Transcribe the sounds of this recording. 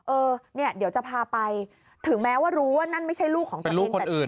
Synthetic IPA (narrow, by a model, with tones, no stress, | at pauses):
ʔɤː˧ni˥˩ɐd̪i˩˦wt͡ɕa˨˩pʰaː˧pa˧j | t̪ʰɯ˨˩˦ŋmɛː˦˥waː˥˩ɾuː˦˥waː˥˩na˥˩nma˥˩jt͡ɕʰa˥˩jluː˥˩kʰːɔː˩˦ŋpe˧nluː˥˩˧kʰːo˧˨˩nʔɯː˨˩n